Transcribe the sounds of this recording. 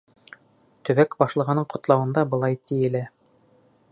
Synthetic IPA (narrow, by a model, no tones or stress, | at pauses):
t̪ɵ̆βækbɑʃlˠɤ̆ʁɤ̆nɤɴqŏt̪lˠɑwɤ̆nd̪ɑbɤ̆lˠɑjt̪ijɘ̆læ